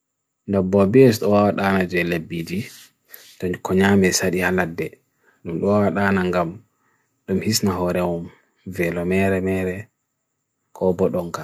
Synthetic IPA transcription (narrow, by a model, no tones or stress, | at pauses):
ndɔbːɔbɛɛs̬ɗɔwawaɗanad͡ʒɛlebːid͡ʒi | tɔkɔɲamɛsaɗihaladːɛ | ɗumɗɔwawaɗaːnaŋɡam | ɗumhisnaɦɔɾɛwum | vɛlɔmɛɾɛmɛɾɛ | kʰɔbɔɗɔŋka